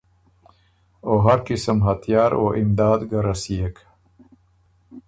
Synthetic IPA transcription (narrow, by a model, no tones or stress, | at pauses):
oɦaɾkɪsəmɦat̪jɑːɾo̰ʔɪmd̪ɑːd̪ɡaɾasijekʰ